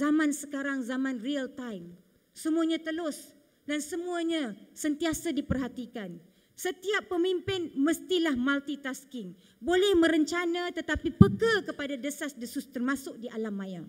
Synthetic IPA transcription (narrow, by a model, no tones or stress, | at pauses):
zamãnsəkaɾaŋzamãnriəlt̪ajm | səmuaɲãt̪əlʊs | dansəmũaɲãsənt̪iasadipərɦat̪ikan | sət̪iapːəmimpɪnməst̪ilahmalt̪it̪askɪŋ | bolɛhmə̃ɾəɲt͡ʃanãt̪ət̪apipəkəkəpadadəsasdəsʊst̪ərmasʊk̚diʔalamaja